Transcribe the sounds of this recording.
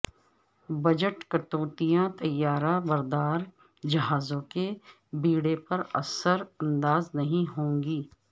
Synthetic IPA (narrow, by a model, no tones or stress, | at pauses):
bɐd͡ʒəʈkɐt̪oːt̪ijãt̪ɐjːaːɾabɐɾd̪aːɾ | d͡ʒɐɦaːzõke | biːɽepɐɾɐ̰səɾɐ̃nd̪aːznɐɦĩɦõːŋɡiː